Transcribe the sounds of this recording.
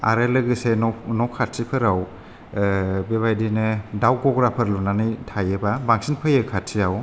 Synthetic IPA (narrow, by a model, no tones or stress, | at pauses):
a̰ɾelɯɡɯsenɔnɔkʰːat̚sipʰɯɾaw | beβajdinɯdawɡɔɡɾapʰɯɾlɔnanɯjtʰajebabaŋsinpʰɯjɯkʰat̚siaw